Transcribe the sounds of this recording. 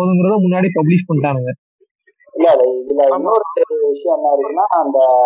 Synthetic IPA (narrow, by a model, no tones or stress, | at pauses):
oðɯŋɡɪɾɐðɐ̃mʊnːaːɽipɐbliʂpɐɳːʈːaːnɯŋɡɐ | ɪlːɐleɪðɯlɐɪnːoɾt̪ːeðɯʋɪʂɐjɐ̃ɛnːaːɪɾɯkːɯnːaːɐnd̪ɐ